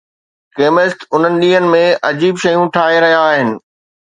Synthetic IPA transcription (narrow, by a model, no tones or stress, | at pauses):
keːmesʈʊn̤ənɪ̆ɗĩːɦənɪ̆mẽʔɐd͡ʑiːbʃɐjũʈʰaːɦeɾɐɦijaːɦɪnɪ̆